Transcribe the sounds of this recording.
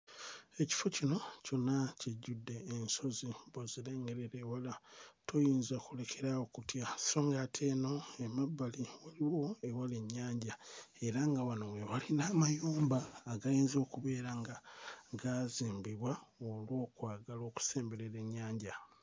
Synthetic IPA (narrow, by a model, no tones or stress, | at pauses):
e̞ci̥fo̞cino̞co̞nːaciɟːudːe̞ːnso̞ziboziɾe̞ːŋɡe̞ɾeɾewalatʰo̞jiːnzakule̞kʰe̞ɾawokutjasi̥ɾo̞ːŋɡaːtʰe̞ːno̞emabːaliwaliwo̞ewale̞ɲːaːɲɟae̞ɾaŋɡawano̞wewalinaːmajuːmbaːɡajeːnzo̞ːkuβe̞ːɾaŋɡaɡaziːmbiβwaolwo̞ːkwaːɡalo̞ːku̥se̞ːmbe̞ɾeɾe̞ɲːaːɲɟa